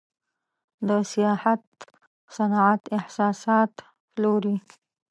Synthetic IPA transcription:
d̪əsijɑhat̪̚ | sanɑʕat̪ɪhsɑsɑt̪ | ploɾi

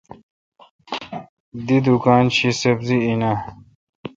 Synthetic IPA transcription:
d̪id̪ukaːnt͡ɕʰisɐbziina

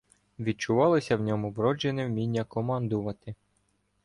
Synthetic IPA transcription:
ʋʲid̪̚t͡ʃʊʋɑlˠɪsʲɐwnʲɔmʊʋɾɔd͡ʒenewmʲinʲːɐkɔmɑnd̪ʊʋɐt̪ɪ

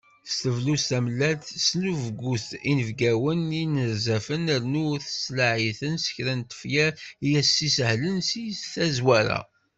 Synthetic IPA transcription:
st̪əvlusæmlːæt̪snuvɡːuθinəvɡæwəninəɾzæfənəɾnuθə̥slaʕiθənsə̥çɾænt̪ə̥fjæijæsːisəhlənsisθæzwæɾæ̰

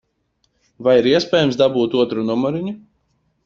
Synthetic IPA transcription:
vajiɾiɛsʲpʲɛːjɛmsd̪abuːt̪uɔt̪ɾunumɔɾiɲu

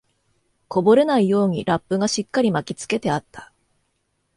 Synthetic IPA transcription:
ko̞bo̞ɾe̞naijo̞ːɲ̟iɾapːɯ̟ɡaɕikːaɾʲimakʲit͡sɨ̥ke̞t̪e̞at̪ːḁ

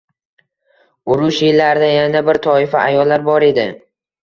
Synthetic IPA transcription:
ʊɾʊʃjɪlːaɾd̪ajanabɪɾt̪ʰɒɪfaʔajɒlːaɾbɒɾe̞d̪ɪ

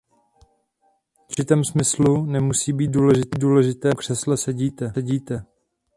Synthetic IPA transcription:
t͡ʃɪt̪ɛːmsmɪslunɛmusiːbiːt̪̚duːlɛʒɪt̪iduːlɛʒɪt̪ɛːkr̥ɛslɛsɛɟiːt̪ɛɛɟiːt̪ɛ

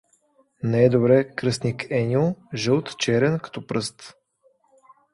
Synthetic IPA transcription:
nɛɛd̪obɾɛkɾɤst̪nikɛnʲioʒɤlˠt̪t͡ʃɛɾɛnkɐ̥t̪ɔpɾɤst̪

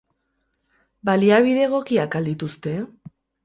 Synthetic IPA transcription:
baliaβ̞iðe̞ɣ̞o̞kiakald̪it̪ust̪e̞

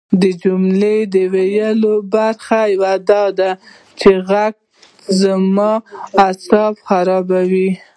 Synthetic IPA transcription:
d̪əd͡ʒumled̪əwejəlobaɾxajawad̪ɑd̪a | t͡ʃeɣaɡ̚ | zamɑasɑbxaɾɑbawi

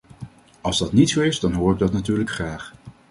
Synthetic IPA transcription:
ɑlˠzdɑtnitsowɪsdɑnɦoːɹɪɡ̚dɑtnatyːɹləkχraːχ

